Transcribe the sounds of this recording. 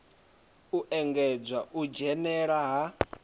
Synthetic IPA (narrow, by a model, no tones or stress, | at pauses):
uʔɛŋɡɛd͡zwaʔud͡ʒɛnɛɺaɦa